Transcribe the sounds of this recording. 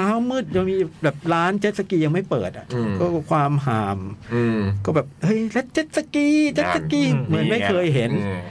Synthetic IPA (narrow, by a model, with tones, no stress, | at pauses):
aː˦˥wmɯː˥˩t̪̚ja˧ŋmiː˧bɛː˨˩p̚ɾaː˦˥nt͡ɕe˦˥t̪̚sa˧kiː˧ja˧ŋma˥˩jpɤ̰ː˨˩t̪̚ʔa̰˨˩kɔː˥˩kʰwaː˧mɦaː˨˩˦m | kɔː˥˩bɛː˨˩p̚hɤ˧˥˩jle˦˥t̪̚t͡ɕe˦˥t̪̚sa˧kiː˧t͡ɕe˦˥t̪̚sa˧kiː˧mɯ˨˩˦nma˥˩jkʰɤː˧jɦe˩˦n